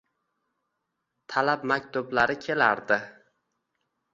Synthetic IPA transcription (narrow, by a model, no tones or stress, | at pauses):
t̪ʰalapmakʲt̪ʊblaɾɪkʲʰe̞la̰ɾd̪ɪ